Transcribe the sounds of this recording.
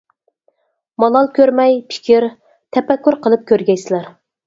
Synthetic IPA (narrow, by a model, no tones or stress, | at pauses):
mɑlˠɑlˠkʲøɾmɛjpʰɪ̥kʲʰiɾ | t̪ʰɛpɛkʲːuɾqʰəlˠɨp̚kʲøɾɡʲɛjsɪlæɾ